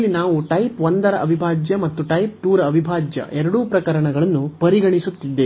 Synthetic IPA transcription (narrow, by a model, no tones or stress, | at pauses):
lːinaːʋuʈɐjpʋond̪ɐɾɐʔɐbʱibʱaːd͡ʒjɐmɐt̪ːuʈɐjp̚ʈuːɾɐːbʱibʱaːd͡ʒjɐ̰ʔɛɾɐɽuːpɾɐkɐɾɐɳɐɡɐɭɐnːupɐɾiɡɐɳisut̪ːid̪ːe